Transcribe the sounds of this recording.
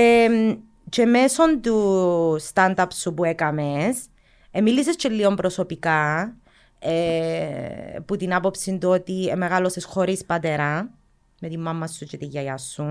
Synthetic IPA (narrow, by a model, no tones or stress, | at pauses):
e | t͡ʃemeso̞nt̪ust̪and̪ɐpsupuekɐmes | emilːisest͡ʃelːio̞mpɾo̞sopika | e | put̪inapo̞psint̪uot̪iemeɣalo̞sesxoɾispɐt̪eɾa | met̪imːɐmːɐsːut͡ʃet̪iʝːɐjasːun